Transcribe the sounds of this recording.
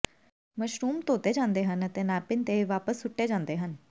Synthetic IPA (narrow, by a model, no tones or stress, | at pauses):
məʃɾuːmt̪oːt̪eːd͡ʒãːnd̪eːɦənət̪eːnaːpɪnt̪eːʋaːpəsːʊʈːeːd͡ʒãːnd̪eːɦən